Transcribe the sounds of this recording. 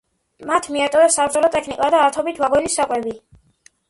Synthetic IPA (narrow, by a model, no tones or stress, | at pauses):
mat̪ʰmiat̪ʼɔɛsabɾd̪ɛlɔt̪ʼɛkʰnikʼad̪aːɾt̪ʰɔbit̪ʰvabɔnisakʼwɛbi